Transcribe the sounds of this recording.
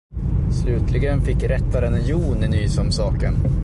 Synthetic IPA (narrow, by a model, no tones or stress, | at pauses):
slʉ̟ːt̪ʰlɪɡənfɪkːɾɛt̪ːvaɾɛnəjuːnɪnyːsɔmsɑːkən